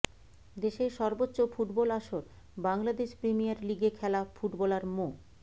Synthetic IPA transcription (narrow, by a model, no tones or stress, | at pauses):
d̪eʃeɾʃɔɾbotːɕofuʈbɔlaʃoɾ | baŋlad̪eʃpɾimijaɾliɡekʰɛlafuʈbɔlaɾmo